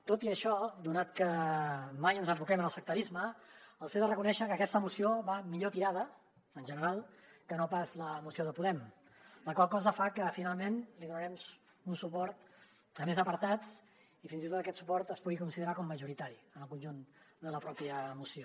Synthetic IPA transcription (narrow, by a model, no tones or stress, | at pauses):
t̪ot̪iəʃɔd̪unat̪̚kəmajənzəɱfukɛmənəlˠsək̚t̪əɾizməəlˠseðərəkunɛʃəkəːkɛst̪əmusioβamiʎot̪iɾað̞ə | ənʲʒənəɾalˠ | kənopazləːmusioðəpuðɛm | ləkwalˠkɔzəfakəfinalˠmenliðunəɾɛmz | unsupɔɾt̪̚ | əmezəpəɾt̪at͡s | ifinzit̪ot̪əkɛt̪supɔɾt̪əspuɣikunsiðəɾakɔmːəʒuɾit̪aɾiənəlˠkunʲʒund̪ələpɾɔpiəːmusio